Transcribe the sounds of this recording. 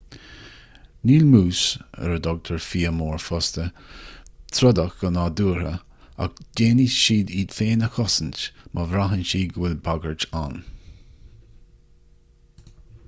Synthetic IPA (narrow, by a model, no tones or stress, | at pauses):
niːlmuːsɛ̰ɾəd̪ɔɡ̚t̪ʰəɹfiːəmɔːɹfɔst̪ə | t̪ʰɾɔd̪əxɡ̥ənaduːɾə | a̰kd̥eːnisʃiːd̪iːd̪feːnəxɔsəntmʔəvɾaɦənʃiːɡwɪlbaɡəɹt͡ʃan